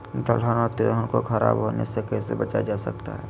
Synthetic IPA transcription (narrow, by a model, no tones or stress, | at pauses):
d̪əlɦənɔt̪ɪlɦənkokʰɐɾa̰ːbɦonḛsekɛːsebɐt͡ʃad͡ʒaːsək̚t̪a̰ɦɛ̰ː